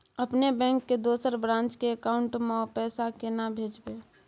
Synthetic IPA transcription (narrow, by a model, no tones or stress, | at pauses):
əpnebɛ̃ːŋkːed̪oːsəɾbɾãːnt͡ʃkeəkaːʊɳʈmeɔpɛːsakenabʱeːd͡ʒbe